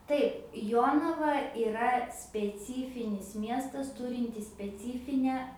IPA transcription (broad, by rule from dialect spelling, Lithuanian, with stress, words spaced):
ˈtɐɪp ˈjoːnɐʋɐ iːˈrɐ sʲpʲɛˈt͡sʲiːfʲɪnʲɪs ˈmʲiɛstɐs ˈtʊrʲɪnʲtʲɪs sʲpʲɛˈt͡sʲiːfʲɪnʲæː